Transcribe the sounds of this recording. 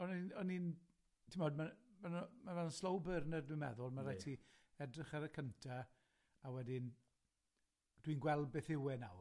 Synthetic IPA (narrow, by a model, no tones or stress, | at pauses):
ɔninɔnin | tʰimɔːdmamanmaannslowbərnərdwɪmɛðʊlˠmaɾajtʰi | ɛdrɪχaɾəkʰəntʰa | awɛdɪn | d̥winɡwɛlˠbɪθɪwɛna̰w